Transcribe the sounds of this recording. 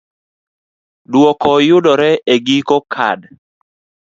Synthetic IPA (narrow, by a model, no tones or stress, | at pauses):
dwɔkɔjʊdɔɾɛeɡikɔkʰa̰d